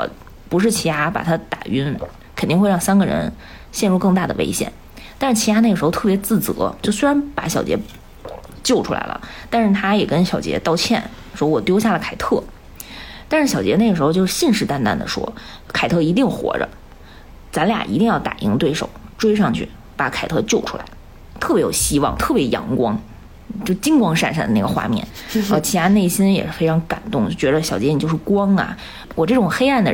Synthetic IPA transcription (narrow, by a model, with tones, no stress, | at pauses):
wɔ̰˨˩ | pu˧˥ʂ̬ɻ̩˥˩t͡ɕʰi˧˥a˥pa̰˨˩t̪ʰa˥t̪a̰˨˩y˥n | kʰə˨˩nt̪i˥˧xwe˥˧ɪ˥ɑ˥˩˧ŋsa˥nɡə˨ɻə̰˧˥n | ɕjɛ˥˧nɻu˥˧kɤ˥˧ŋt̪a˥˩d̪ə˩˧ʔḛ˥ɪɕjɛ̰˨˩˦n | t̪a˥˧nʂɻ̩˥˩t͡ɕʰi˧˥ja˥ne˥˩əʂɻ̩˧˥xo˧ʊt̪ʰɤ˥˩pjɛ˧˥t͡sɹ̩˥˩t͡sɤ̰˧˥t͡ɕjo˥˩ʊswe˥ɻa˧˥npa˧˩˥ɕjɑ˨˩ʊt͡ɕjɛ̰˧˥ | t͡ɕjo˥˩ʊʈ͡ʂʰu˥la̰˧˥ɪlə̰˧˩t̪a˥˧nʂɻ̩˥˩t̪ʰa˥jɛ˨˩kə˥nɕjɑ˨˩ʊt͡ɕjɛ̰˧˥t̪ɑ˥˧ʊt͡ɕʰjɛ̰˥˩n | ʂwɔ˥wɔ˨˩t̪jo˥ʊɕja˥˩lə˩kʰa˨˩ɪt̪ʰɤ˥˩ | t̪a˥˧ʂɻ̩˥˩ɕjɑ˨˩ʊt͡ɕjɛ˧˥ne˥˩ə˩ʂɻ̩˧˥xo˧t͡ɕjo˥˧ʂ̩˥˧ɕi˥˧nʂɻ̩˥˩t̪a˥nt̪a̰˥˩nd̪ə̰˩ʂwɔ̰˥ | kʰa˨˩ɪt̪ʰɤ˥˩i˧˥t̪i˥˩ŋxwɔ̰˧˥ʈ͡ʂə̰˧ | t͡sa˧˥nlja̰˨˩ʔḭ˧˥t̪i˥˧jɑ˥˩ʊt̪a̰˨˩ʔḭ˧˥ŋt̪we˥˩ɪʂo̰˨˩ʊʈ͡ʂwe˥ɪʂ̬ɑ˥˧ŋt͡ɕʰy̰˥˩ | pa˧˩˥kʰa˨˩ɪt̪ʰɤ˥˧t͡ɕjo˥˩ʊʈ͡ʂʰu˥la̰˧˥ɪ | t̪ʰɤ˥˩pjɛ˧˥jo˨˩ʊɕi˥wɑ̰˥˩ŋt̪ʰɤ˥˩pjɛ˧˥jɑ̰˧˥ŋkwɑ˥ŋ | t͡ɕjo˥˩ʊt͡ɕi˥ŋkwɑ˥ŋʂa˥˧nʂa˥˩nd̪ə˩na˥˩ə˩xwa̰˥˧mjɛ̰˥˩nə˧˩t͡ɕʰi˧˥t̪ʰa˥ne˥˩ɪɕi˥njɛ̰˨˩ʂɻ̩˥fe˥ɪʈ͡ʂʰɑ˧˥ŋka˨˩nt̪ʊ˥˩ŋ˥˩t͡ɕɥɛ˧˥d̪ə˧ɕjɑ˨˩ʊt͡ɕjɛ˧˥i˨˩t͡ɕjo˧ʊʂ̩˥˩kwɑ˥ŋɐ̰˩ | wɔ˨˩ʈ͡ʂɤ˥˩ʈ͡ʂʊ˨˩ŋxe˥ɪa˥˩nd̪ə̰˨